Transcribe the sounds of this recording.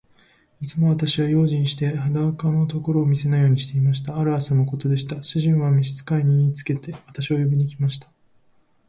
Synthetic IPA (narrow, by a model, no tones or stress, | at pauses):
it͡sɨmo̞βat̪aɕiβajo̞ːʑĩɰ̃ɕi̥t̪e̞had̪aβkanot̪o̞ko̞ɾo̞ːmʲise̞naijo̞ːɲ̟iɕi̥t̪e̞imaɕ̬i̥t̪aːɾɯ̟asanoko̞t̪o̞d̪e̞ɕ̬i̥t̪aɕiʑĩɰ̃βamʲiɕi̥t͡sɨ̥kaiɲ̟iːt͡sɨ̥ke̞t̪e̞βat̪aɕiβajo̞bʲiɲ̟ikʲimaɕi̥t̪ḁ